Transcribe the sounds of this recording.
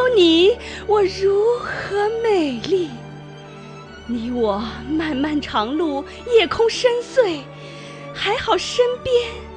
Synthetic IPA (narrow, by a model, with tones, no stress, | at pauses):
ʊni˨˩˦wɔ˨˩ɻu˧˥xɤ˧˥me˨˩ɪli˥˩ | ni˧˥wɔ˨˩˦ma˥˧nma˥˩nʈ͡ʂʰɑ˧˥ŋlu˥˩ | jɛ˥˩kʰʊ˥ŋʂə˥nswe˥˩ɪ | xa˧˥ɪxɑ˨˩ʊʂə˥npjɛ˥n